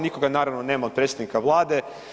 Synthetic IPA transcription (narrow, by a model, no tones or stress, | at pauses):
nikoɡanaːɾaʋnoneːmaod̪̚pɾet̪sed̪nikaʋlˠaːd̪e̞